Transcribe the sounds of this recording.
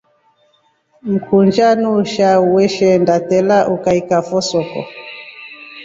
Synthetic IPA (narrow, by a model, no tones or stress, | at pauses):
m̩kʰund͡ʒanuʃauwɛʃɛndatɛlaʔukaikafɔsɔkɔ̰